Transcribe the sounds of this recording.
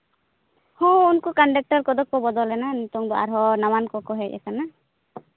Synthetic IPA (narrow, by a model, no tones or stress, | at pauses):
hɔ̃unkɔkaɳɖak̚ʈɔɾkɔd̪ɔk̚pɔbɔd̪ɔlɛnanɔt̪ɔŋd̪ɔa̰ɾɦɔnawankɔkɔɦɛc̚ɛ̰kana